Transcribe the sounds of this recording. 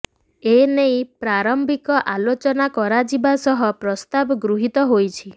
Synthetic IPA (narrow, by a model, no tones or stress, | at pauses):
enejpɾaɾɔmbikɔʔalot͡ʃɔnakɔɾad͡ʒibasɔɦɔpɾɔst̪abɔɡɾuɦit̪ɔɦojt͡ʃʰi